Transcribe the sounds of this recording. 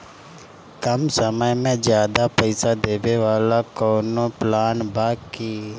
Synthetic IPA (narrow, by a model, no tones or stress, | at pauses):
kɐmsəməjmẽd͡ʒjaːd̪apəɪsad̪eːbeʋaːlakɔːnoplaːnbaːkiː